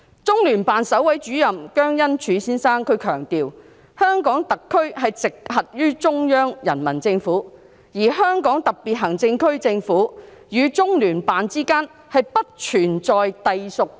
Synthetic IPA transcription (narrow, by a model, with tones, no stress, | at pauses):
t͡sʊ˥ŋlyː˨˩npaː˨nsɐ˨˥wɐ˨˥jt͡ʃyː˨˥jɐ˨mkœː˥ŋjɐ˥nt͡ʃʰyː˨˧siː˥nsaː˥ŋkʰɵ˨˧kʰœː˨˩ŋt̪iː˨w | hœː˥ŋkɔː˨˥ŋt̪ɐ˨kʰːɵ˥ɥɦɐ˨jt͡sɪ˨k̚ɦɐ˨t̚jyː˥t͡sʊ˥ŋjœː˥ŋjɐ˨˩nmɐ˨˩nt͡sɪ˧ŋfuː˨˥ | jiː˨˩ɦœː˥ŋkɔː˨˥ŋt̪ɐ˨k̚pi˨t̚ɦɐ˨˩ŋt͡sɪ˧ŋkʰɵ˥ɥt͡sɪ˧ŋfuː˨˥ | jyː˨˧t͡sʊ˥ŋlyː˨˩npaː˨nt͡siː˥kaː˥n | hɐ˨jpɐ˥t̚t͡ʃʰyː˨˩nt͡sɔː˨jt̪ɐ˨jsʊ˨k̚